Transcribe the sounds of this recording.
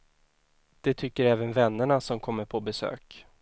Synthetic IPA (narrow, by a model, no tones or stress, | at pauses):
d̪̥ɛt̪ʰʏkːəɾɛːvənvɛnːəɳasɔmkʰɔmːəɾpʰɔbɛsø̰ːk